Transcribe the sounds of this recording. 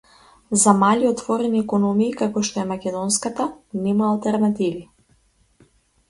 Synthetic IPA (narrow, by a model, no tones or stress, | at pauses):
zamalʲiɔt̪vɔɾɛniɛkɔnɔmiːkakɔʃt̪ɔɛmakʲɛd̪ɔnskat̪anɛmaːlˠt̪ɛɾnat̪ivi